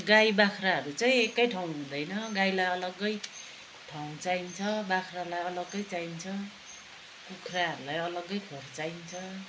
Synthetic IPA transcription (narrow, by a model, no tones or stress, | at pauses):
ɡajbakʰraɦʌɾut͡saĩekːʌjʈʰaw̃ɦũd̪ʌjnʌɡajlajʌlʌɡʌj | ʈʰaw̃t͡saint͡sʰʌbakʰralajʌlʌɡʌjt͡saint͡sʰʌ | kukʰraɦʌɾulajʌlʌɡʌjkʰort͡saint͡sʰʌ